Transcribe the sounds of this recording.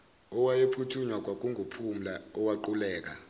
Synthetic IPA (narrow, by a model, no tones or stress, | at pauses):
ɔwajepʰutʰuɲwak̬ʼwak̬ʼuŋɡʱupʰum̩laɔwaǃulɛːk̬a